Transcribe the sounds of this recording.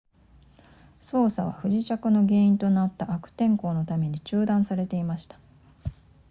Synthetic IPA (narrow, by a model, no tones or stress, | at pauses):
so̞ːsaβ̞a̰ɸɯ̟ʑit͡ɕakɯ̟no̞ɡe̞ːĩnt̪o̞nat̪ːaʔakɯ̟̥t̪ẽ̞ŋko̞ːno̞t̪ame̞ɲ̟it͡ɕɨːd̪ãɰ̃saɾe̞t̪e̞imaɕi̥t̪ḁ